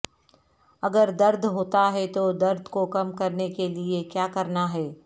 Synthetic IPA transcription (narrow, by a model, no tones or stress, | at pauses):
ɐɡəɾd̪ɐɾd̪ʱɦoːt̪aɦɛt̪od̪ɐɾd̪ʱkokɐmkɐɾnekeliekjaːkɐɾnaɦɛː